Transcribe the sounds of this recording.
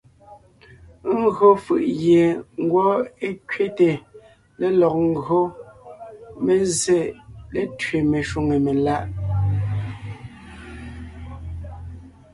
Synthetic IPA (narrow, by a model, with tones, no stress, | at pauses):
ŋ̩˦ɡɰo˦fɯ˨ʔɣje˨ŋ̩˦ɡwɔ˦e˦kɥe˦te˨ | le˦lɔ˨k̚ŋ˦ɡo˦ | me˨ze˦le˨tɥe˨me˨ʃu˦˨ŋe˨me˨la˦ʔ